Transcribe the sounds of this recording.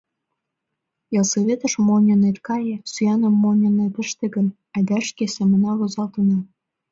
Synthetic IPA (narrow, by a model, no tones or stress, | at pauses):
jɑlseβet̪ə̆ʃmonʲonet̪kɑjĕsyjɑnə̆mːonʲŏnet̪ə̆ʃt̪ĕɣə̆m | æd̪æʃkesemə̆nɑlozɑlt̪ənɑ